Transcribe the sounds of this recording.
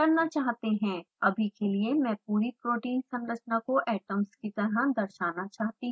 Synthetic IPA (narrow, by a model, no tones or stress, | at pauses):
kɐɾnat͡ʃaːɦt̪eɦɛ̃ː | ɐbʱikeliemɛ̃ːpuːɾipɾoːʈiːnsɐ̃mɾət͡ʃnakoʔɛːʈəmskit̪ɐɾad̪ɐɾʃaːnat͡ʃaːɦt̪i